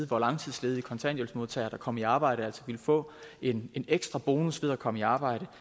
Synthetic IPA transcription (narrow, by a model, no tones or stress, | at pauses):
ðˠʋɒlɑ̈ŋt͡sʰið̞̰ˠsle̝ːð̩ˠikʰɒ̽nsʰæ̰njolsmo̝ðˠt͡sʰɛ̰ɪɐd̥ɑ̈kʰɒ̽m̰iɑ̈ːb̥ɑ̈ɪ̰ɾ̥əæl̰sɒʋilfɔ̰̽ːe̝ne̝neɡ̥sd̥ʁɑb̥o̝ːnusʋeð̞̰ˠɐkʰɒ̽məiɑ̈ːb̥ɑ̈ɪ̰ɾ̥ə